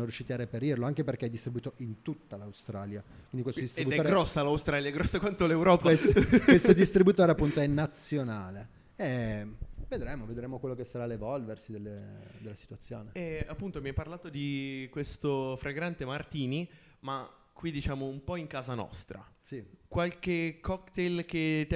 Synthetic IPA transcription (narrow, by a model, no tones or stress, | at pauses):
onorjuʃːit̪iarːepeɾirloaŋk̟eperk̟eɛd̪ːist̪ɾibuit̪oʔint̪ut̪ːalawst̪ɾaːljakwind̪ikwest̪od̪ist̪ibut̪ɛoɾɡɾɔsːalawst̪ɾaːljaɛɡɾɔsːakwant̪olewɾɔːpaeskest̪od̪ist̪ɾibut̪oːɾeapːunt̪oɛnːat̪sːjonaːle | e | ved̪ɾeːmoved̪ɾeːmokwelːokesːaɾalevɔlversid̪elːed̪elːasi̥t̪uat̪sːjo̰ːneɛapːunt̪omiapːarlaːt̪od̪ikwest̪ofɾeɡɾant̪emart̪iːni | ma | kwid̪it͡ʃaːmoumpɔiŋkaːzanɔ̰st̪ɾa̰sikwalkekʰːɔkt̪elk̟et̪ː